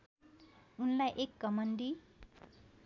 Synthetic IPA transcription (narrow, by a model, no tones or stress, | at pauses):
unlajʔekːʌmʌnd̪i